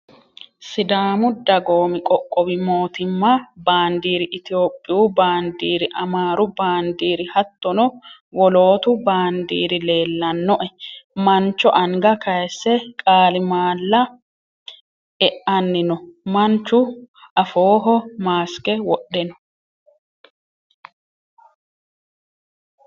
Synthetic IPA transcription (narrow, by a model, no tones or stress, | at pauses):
sɪd̪aːmʊd̪ɐɡoːmɪkʼɔkʼːɔbɪmoːt̪ɪmːɐbaːnd̪iːɾɪʔɪt̪ɪo̞ːpʼːɪjuːbaːnd̪iːɾɪʔɐmaːɾʊbaːnd̪iːɾɪhɐt̪ːɔnɔ | wɔlo̞ːt̪ʊbaːnd̪ḭːɾɪle̞ːlːɐnːɔʔɛmɐnt͡ʃːɔʔɐŋɡɐkɐjɛsːɛkʼaːlɪmaːlːɐ | ɛʔɐnːɪnɔmɐnt͡ʃːʊʔɐfoːɦɔmaːskɛwɔɗːɛnɔ